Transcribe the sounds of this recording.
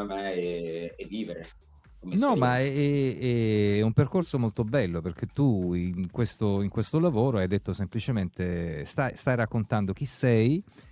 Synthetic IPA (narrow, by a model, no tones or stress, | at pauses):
amɛɛːvːiːveɾe | komenɔmaɛɛɛɛumperkorsomolt̪obɛlːoperk̟et̪ːuiŋkwest̪oiŋkwest̪olavoːɾoajd̪et̪ːosemplit͡ʃement̪est̪ajst̪ajɾakːont̪and̪ok̟isːɛj